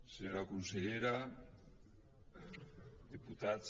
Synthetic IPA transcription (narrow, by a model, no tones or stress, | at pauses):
seɣakonseʎeɾa | d̪iput̪at͡s